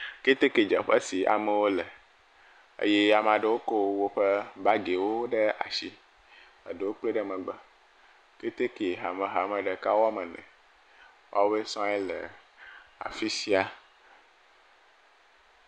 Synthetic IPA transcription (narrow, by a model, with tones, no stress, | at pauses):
ke˦t̪e˦ke˨d͡ʒɛ̰˨ɸɛ˦si˨a̰˨mẽ˨wo˦lɛ˨ | ḛ˦je˦a˨m˨a˨ɖe˨wo˦ko˦wo˦ɸe˦ba˦ɡe˨wo˦ɖe˦a̰˨ʃi˦ | ə̰˨ɖe˨wo˦k͡ple˦ɖɛ˦mɛ̃˨ɡ͡bɛ˦ | ke˦t̪e˦ke˨ɦa˨mẽ˨ɦa˨mɛ̃˨ɖe˨ka˦wɔ˦mɛ̃˨nɛ̰̃˨ | wʔa̰˦wo˦be˦sɔ̃˦ɛ˦lɛ̰˨ | a̰˨fi˦si˦a˨